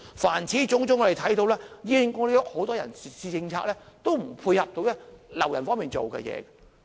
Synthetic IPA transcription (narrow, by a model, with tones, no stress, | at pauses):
faː˨˩nt͡sʰiː˨˥t͡sʊ˨˥ŋt͡sʊ˥ŋːɔ˧ɾe˨˩t̪ʰɐ˨˥jt̪o˧wlɛː˥jiː˧lɪ˨˧ŋŋɔː˨˧˥e˨jɔ˥k̚ho˨˥wt̪ɔː˥jɐ̰˨˩nssiː˧t͡sɪ˧ŋt͡sʰaː˧k̚lɛː˥t̪o˥wm̩˨˩pʰuː˧jhɐ˨p̚t̪o˧˥wlɛ˥lɐ̰˨˩wjɐ˨˩nfɔː˥miː˨nt͡so̰˨wkɛ̰˧jɛ̰ː˨˧ɡɐ˧